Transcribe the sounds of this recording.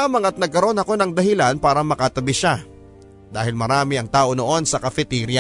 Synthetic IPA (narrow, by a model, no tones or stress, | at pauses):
aːmɐŋɐt̪̚nɐɡ̚kɐɾo̞nɐko̞nɐŋd̪ɐɦɪlanpaːɾɐmɐkɐt̪ɐbɪʃa | d̪aːhɪlmɐɾaːmɪɐŋt̪aːʔo̞no̞ʔo̞nsɐkɐfɛt̪iːɾjɐ